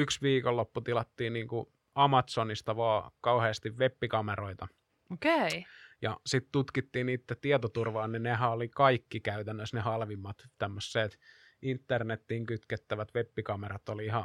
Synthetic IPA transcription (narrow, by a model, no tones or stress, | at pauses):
yksʋiːkolːopːut̪ilɑt̪ːiːnniːŋku | ɑmɑt̪sonist̪ɑʋɑːkɑuheːst̪iʋʋepːikɑmeroit̪ɑ | okejɑsit̪t̪ut̪kit̪ːiːnniːt̪ːæt̪iɛt̪ot̪urʋɑːnninehæolikɑikːikæyt̪ænːøsnehɑlʋimːɑt̪t̪æmːøsːeːt̪ | int̪ːernet̪ːiːŋkyt̪ket̪ːæʋæt̪ʋepːikɑmerɑt̪oliihɑ